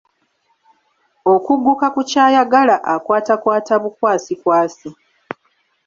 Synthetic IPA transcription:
o̞kuɡːukakucaːjaɡalaʔakwaːtakwaːtaβukwaːsikwaːsi

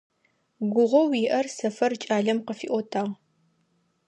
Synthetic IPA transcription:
ɡʷʊʁʷɔwiːʔɐrsɐfɐrt͡ʃʼaːɮɐmqəfḭʔʷɔtʰaːʁ

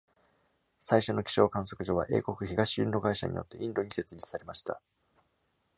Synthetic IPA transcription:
saiɕo̞no̞kʲi̥ɕo̞ːkãɰ̃s̬o̞kɯ̟ʑo̞βa̰ʔe̞̰ːko̞kɯ̟çiɡaɕiɯ̰̃nd̪o̞ɡaiɕa̰ɲ̟ḭjo̞̰t̪ːe̞ʔĩnd̪o̞ɲ̟ise̞t͡sɨɾʲit͡sɨ̥saɾe̞maɕi̥t̪a̰

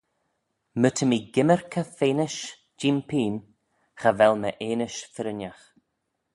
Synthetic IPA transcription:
mət̪ʰəmiːɡɪməɹkʰəfeːnɪʃ | d͡ʒiːmpʰiːn | xəvɛlməʔeːnɪʃfɪɾɪnʲax

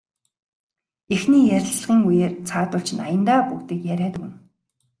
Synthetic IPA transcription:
exniːjæɾʲɪ̆ɮɮʁiːŋujeːrt͡sʰaːt̪̚ʊ̆ɮt͡ɕʰɪ̆na̰jə̆nt̪aːpukt̪iːkjæɾʲæːt̪ɘ̆ɣɘ̆n

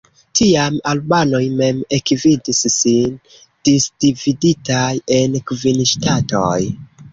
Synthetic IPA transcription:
tʰiamalbano̞jme̞mekvidisːin | d̥isd̥ividitaje̞nkvinʃtatoj

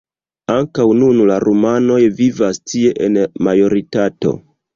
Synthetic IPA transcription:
aŋkawnunlaɾumano̞jvivastʰie̞ʔenmajo̞ɾitato̞̰

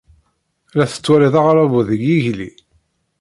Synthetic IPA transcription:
læθə̥t͡sːwæɾiðɑʁɾˤɑvuðəɡːiʝli

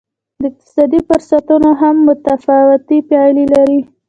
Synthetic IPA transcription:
d̪əɪq̚t̪ɪ̥sɑd̪ifʊɾsat̪unoɦamːʊt̪afawɪt̪ipjɑjlilaɾi

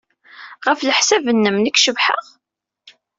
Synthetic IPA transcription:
ʁəfləħsævənːəmnəkʃəvħə̰ʁ

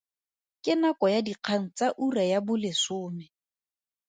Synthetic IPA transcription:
kʼɪnakɔjadiq͡χʰaŋ̩t͡saʔurajabʊlɪsʊːmɛ

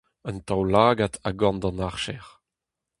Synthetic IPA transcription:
ənt̪awlaːɡat̪aɡɑ̃nd̪ɑ̃naʁʃɛʁ

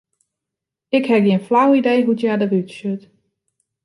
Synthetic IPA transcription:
ɪkhɛpjinflawidejɦutjadəʋytsøt

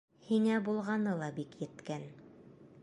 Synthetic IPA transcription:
hiŋæbulˠʁɑnɤlˠɑbikjɘ̆t̪kæn

